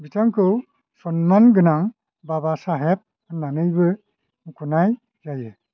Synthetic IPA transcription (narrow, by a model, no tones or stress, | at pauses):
bitʰaŋkɯw | sɔnmanɡɯnaŋ | babasaɦɛp̚ | nanɯjbɯ | mukʰunaj | zajɯ